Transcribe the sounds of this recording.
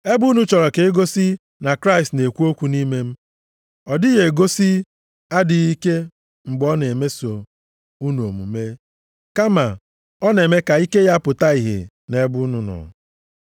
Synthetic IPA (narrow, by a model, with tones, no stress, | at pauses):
e˦bu˦nu˦t͡ʃɔ˨ɾɔ˨ke˨e˦ɡo˦si˦ | na˨kɾa˦˨stne˨kʷu˦o˦kʷu˨ni˦me˦m̩˦ | ɔ˨dɪ˦ɣe˨ɡo˦si˦ | a˦dɪ˨i˦ke˦ | ŋ͡m̩˨ɡ͡bɔ˦ne˨me˦so˨ | u˦n˨o˨mṵ˨me˦ | ka˦ma˨ | ɔ˦ne˨me˦ka˨i˦ke˦ja˦pʊ˨ta˦i˨ɦḛ˨ | ne˦bʊ˦nʊ˦nɔ̰˨